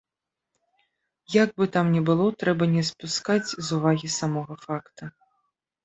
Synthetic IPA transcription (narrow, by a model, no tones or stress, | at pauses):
jaɡ̚bɨt̪amnʲɛbɨlˠɔt̪ɾɛbɐnʲɛspuskat͡sʲzuvaɣʲisamɔɣɐfakt̪ɐ